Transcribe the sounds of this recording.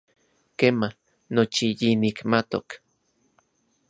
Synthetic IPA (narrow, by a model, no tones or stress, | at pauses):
keːmah | not͡ʃijinikmat̪o̰k